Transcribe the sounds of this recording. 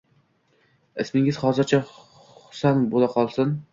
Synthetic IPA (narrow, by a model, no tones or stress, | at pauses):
ɪsmɪŋʲɪzχɒzɪɾt͡ʃʰa | hʊ̥sanbolaqʰɒlˠsɪn